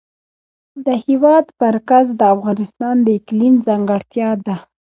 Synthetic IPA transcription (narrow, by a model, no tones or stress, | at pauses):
d̪əhiwɑd̪maɾkazd̪əafɣɑnɪst̪ɑnd̪əɪklinzɑŋɡaɽt̪jɑd̪a